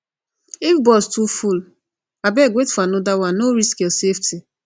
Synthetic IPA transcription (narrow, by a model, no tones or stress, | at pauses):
ifbɔstuful | abɛɡwetfanɔdawannoɾiskesefti